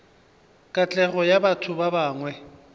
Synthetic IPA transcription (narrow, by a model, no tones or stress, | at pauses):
kʼat͡ɬʼɛɣɔjabatʰʊbabaːŋwɛ